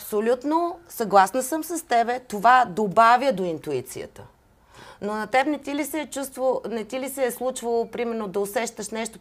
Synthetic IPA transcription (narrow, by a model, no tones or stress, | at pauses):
psolʲut̪nosɐɡlˠasnɐsəmsɐst̪ɛbɛt̪ovad̪obavʲjəd̪oint̪uit̪sḭjə̰t̪ə | nonɐt̪ɛbnɛt̪ilisɛːt͡ʃust̪vonɛt̪ilisɛːslˠut͡ʃvəlˠopɾimɛɾnod̪ɐosɛʃt̪əʃnɛʃt̪o